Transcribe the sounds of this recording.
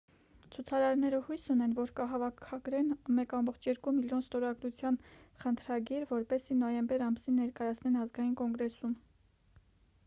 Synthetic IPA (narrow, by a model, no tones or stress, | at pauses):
t͡sʰut͡sʰɑɾɑɾnɛɾəhujsunɛnvɔɾkəɦɑvɑkʰɑɡɾɛnmɛkɑmbɔχt͡ʃʰjɛɾkumiljɔnst̪ɔɾɑɡɾut͡sʰjɑnχənt̪ʰɾɑɡiɾvɔɾpɛsinɔjɛmbɛɾɑmsinːɛɾkɑjɑt͡sʰnɛnɑzɡɑjinkɔŋɡɾɛsum